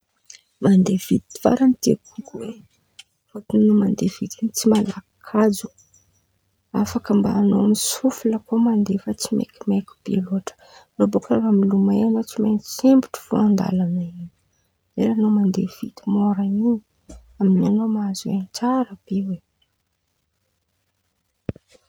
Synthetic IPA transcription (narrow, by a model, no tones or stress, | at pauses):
mand̪ev̥it̪iv̥a̰ɾanit̪ekukuwe | fot̪unnumand̪ev̥it̪int͡simalakʰad͡zu̥ | afakəmbaːnomisufuləkomand̪efat͡simḛkʲimekʲu̥b̥ḛloaʈ͡ʂə̥ | lobokʰaɾamilumaenot͡simensembiʈ͡ʂi̥foand̪a̰lanaini̥ | lelanomand̪ev̥it̪imoɾanini | aminianomaazuent͡saɾəpewe